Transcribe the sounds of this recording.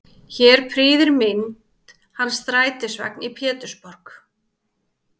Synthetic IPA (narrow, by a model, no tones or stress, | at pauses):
çɛːɾ̥pʰɾiːðɪɾmɪnt̪t̪ | hanːsθɾaːjt̪ɪsvɛ̰knipʰɛːt̪ʏspɔɾ̥k